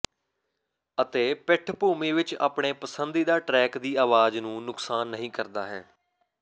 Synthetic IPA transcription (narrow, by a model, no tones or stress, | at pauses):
ət̪eːpɪʈʰpuːmĩːʋɪt͡ʃa̰ːpɳeːpəsənd̪iːd̪aːʈɾɛːkd̪iːaːʋaːznũːnʊksaːnːəɦĩːkəɾd̪aːɦɛ̰ː